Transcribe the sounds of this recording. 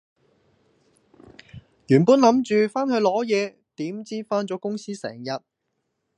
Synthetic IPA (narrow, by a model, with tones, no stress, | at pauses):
jyː˨˩npuː˥nlɐ˨˥mt͡ʃyː˨˧faː˥nhɵ˧ɥlɔː˨˥jɛː˨˧ | t̪iː˨˥mt͡siː˥faː˥nt͡sɔː˨˥kʊ˥ŋsiː˥sɛ̰ː˨˩ŋjɐ˨t̚